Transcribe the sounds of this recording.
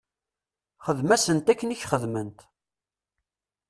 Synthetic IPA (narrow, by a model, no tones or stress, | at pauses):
χəðmæsənt̪ækːəniçχəðmənt̪